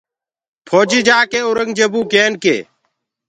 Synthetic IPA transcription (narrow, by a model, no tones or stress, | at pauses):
pʰoːd͡ʒiːd͡ʒaːkeːʊɾəŋd͡ʒebuːkeːnkḛː